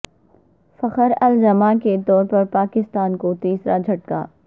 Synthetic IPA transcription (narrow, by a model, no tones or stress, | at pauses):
fɐqəɾɐld͡ʒɐmãket̪ɔːɾpɐɾpaːkɪst̪aːnkot̪iːsɾad͡ʒʱɐʈ̚ka̰ː